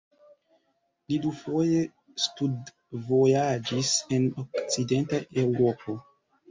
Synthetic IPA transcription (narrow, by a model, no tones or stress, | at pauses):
lidufo̞je̞ | stud | vo̞jad͡ʒise̞nokt͡side̞ntaʔe̞wɾo̞po̞